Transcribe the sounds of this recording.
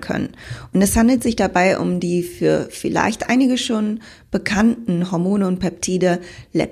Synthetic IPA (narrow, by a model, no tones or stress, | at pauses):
kʰœ̰nə̰nʔʊntɛshandl̩tz̥ɪçd̥abaɪʔʊ̰mdiːfyːɐfɪla̰ɪçtʔa̰ɪnɪɡəʃoːn | b̥əkʰantn̩ɦɔɐmoːnəʊnt̚pʰɛp̚tʰiːdəlɛ̰